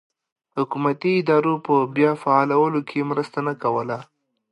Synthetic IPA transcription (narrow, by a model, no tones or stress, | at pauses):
hʊkumat̪iɪd̪ɑɾopəbjɑfaɑlawəlokʰemɾəst̪anakawəla